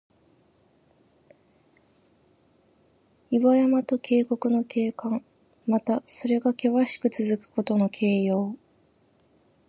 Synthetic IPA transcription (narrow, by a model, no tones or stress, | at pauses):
iβajamat̪o̞kʰe̞ːko̞kɯ̟no̞kʰe̞ːkãŋ | mat̪aso̞ɾe̞ɡake̞βaɕi̥kɯ̟t͡sɨzɨkɯ̟̥ko̞t̪o̞no̞kʰe̞ːjo̞ː